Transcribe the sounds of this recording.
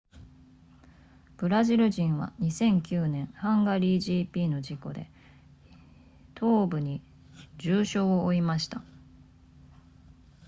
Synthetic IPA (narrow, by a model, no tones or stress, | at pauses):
b̥ɯ̟ɾaʑiɾɯ̟ʑĩɰ̃βa̰ɲ̟isẽ̞ŋkʲɨːnẽ̞ɰ̃hãŋɡaɾʲiːʑiːpʲiːno̞d͡ʑiko̞̰d̪e̞̰ | t̪ʰo̞ːbɯ̟ɲ̟i | d͡ʑɨːɕo̞ːoːimaɕi̥t̪a